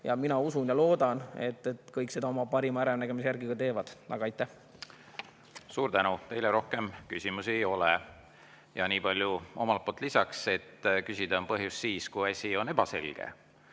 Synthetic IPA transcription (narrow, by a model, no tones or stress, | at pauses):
jɑminɑusunjɑlo̞ːd̪̥ɑne̞̰t̪ːˑet̪ːkɤjkˑse̞d̪ɑomɑpɑɾimɑæɾemnæɡe̞mis̬ejæɾɡiɡ̥ɑt̪e̞ːvɑd̪̥nʔɑ̰ɡ̥ɑɑjt̪ːˑæh | suːɾt̪ænut̪ejleɾo̞hke̞mkysʲimusiejo̞le | jɑ̰niːpɑlʲjuo̞̰mɑltp̚poːlt̪ːˑlisɑkse̞t̪ːkysʲid̪̥ɑompɤɦjusːiːskujɑsʲio̞ne̞b̥ɑse̞̰lɡ̥ḛ